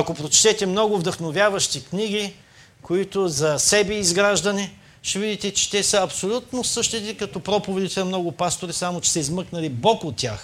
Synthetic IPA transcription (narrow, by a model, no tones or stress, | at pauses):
ɐkopɾot͡ʃt̪ɛt̪ɛmnɔɡʊvd̪ɐxnovʲjavɐʃt̪ikniɡ̟i | koit̪ozɐsɛbɛizɡɾaʒd̪ɐnɛ | ʃɛvid̪it̪ɛt͡ʃɛ̥t̪ɛsəɐpsolʲut̪nosɤʃt̪it̪ɛkɐt̪ɔpɾɔpovɛd̪it̪ɛɐmnɔɡʊpast̪oɾisamot͡ʃɛ̥sɛizmɤknɐlibɔkot̪ːʲja̰x